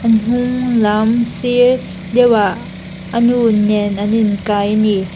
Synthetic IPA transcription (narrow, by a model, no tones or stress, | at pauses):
ʔanɦʊŋlamsi | dɛwaʔ | ənunɛnʔaninkajni